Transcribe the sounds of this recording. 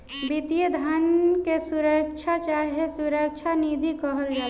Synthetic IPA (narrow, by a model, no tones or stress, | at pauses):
bit̪ijəd̪ʱənkesuɾək̚t͡ʃʰat͡ʃaːɦiesuɾək̚t͡ʃʰaniːd̪ʱikɔɦəld͡ʒa